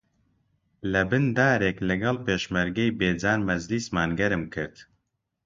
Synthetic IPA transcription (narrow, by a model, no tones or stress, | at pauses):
lɛbɨnd̪aːɾeːklɨɡɑlpeːʃmɛɾɡɛjbeːd͡zaːnmɛzlismaːnɡɛɾɨmkʰɨɾd̪